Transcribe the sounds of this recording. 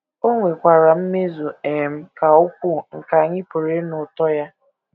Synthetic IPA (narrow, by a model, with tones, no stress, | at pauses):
o˦ŋʷe˨kʷa˨ɾa˨m̩˦me˦zu˨e˨m̩˦ka˨ʊ˦kʷu˦ŋ̩˨ka˨ɲɪ˦pʊ˨ɾe˦nʊ˨tɔ˦ja˦